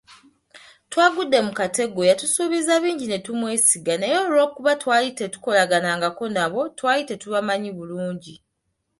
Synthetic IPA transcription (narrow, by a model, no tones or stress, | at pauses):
twaːɡudːe̞mukate̞ɡojatusuːβizaβiːɲɟine̞tumwe̞ːsiɡanejo̞ːlwo̞ːkuβatwaːjite̞tu̥ko̞laɡanaŋɡako̞naβo̞twaːjite̞tuβamaɲiβuluːɲɟi